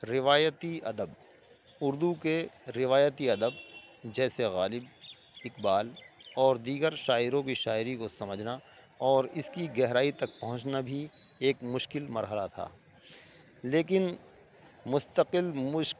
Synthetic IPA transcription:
ɾɪʋaːjət̪iɐd̪əb | ʊɾd̪ukeɾɪʋaːjət̪iɐd̪əb̚d͡ʒɛːseɣaːlɪb | ɪqbaːlɔːɾd̪iːɡəɾʃaːɪɾõkiʃaːɪɾikosɐməd͡ʒʱna | ɔːɾɪskiɡɛɦɾaːit̪ɐk̚pɐɦʊ̃t͡ʃnabʱi | eːkmʊʃkɪlmɐɾɦəlat̪ʰa̰ː | leːk̬ɪn | mʊst̪əqɪlmʊʃ

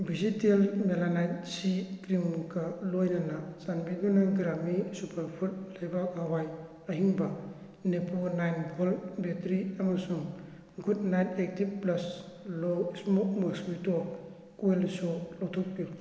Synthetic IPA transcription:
bizitelmelanajt̚sikɾimkalojnanasanbidunaɡɾamisupʰaɾpʰut̚lajbakawaj | aɦiŋba | nepʰonajnbʰolbetɾiamasuŋ | ɡudnajtek̚tib̚plɐsloismɔkmasbitɔ | kuelsolɔwtʰɔk̚piu

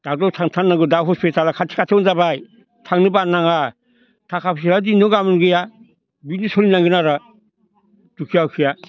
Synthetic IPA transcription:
d̥adɔtʰaŋtʰanːaɡɯdawɦɔspitalakʰatʰi̥kʰatʰawnzabaj | tʰaŋnɯbanːaŋa | tʰakʰapsiɾadinɔɡamɯnɡɯja | binisɔlinaŋɡɯnaɾa | d̥ukʰijawkʰija

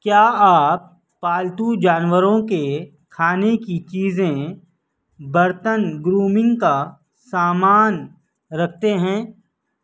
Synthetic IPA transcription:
kjaːaːpː | aːlt̪ud͡ʒaːnwəɾõke | kʰaːnekit͡ʃiːzẽ | bɐɾt̪ənɡɾuːmɪ̃ŋɡka | saːmaːn | ɾɐk̚ʰt̪eɦɛ̃ː

